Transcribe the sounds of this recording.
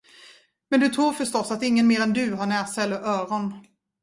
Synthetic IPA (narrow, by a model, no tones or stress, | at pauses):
mɛnd̪ɵt̪ʰɾuːɾfœʂtɔsːat̪ɪŋːənmeːɾɛnd̪ɵɦaɳæːsaɛlːəɾʔœːɾɔn